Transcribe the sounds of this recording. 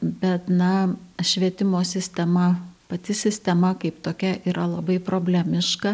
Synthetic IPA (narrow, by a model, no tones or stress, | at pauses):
bʲɛt̪nɐʃʲʋʲiɛt̪ʲɪmoːsʲɪsʲt̪ʲɛmɐpɐt̪ʲɪsʲɪsʲt̪ʲɛmɐkɐɪpt̪oːkʲɛʔiːɾʔɐlˠɐbɐɪpɾoːbʲlʲɛmʲɪʃkɐ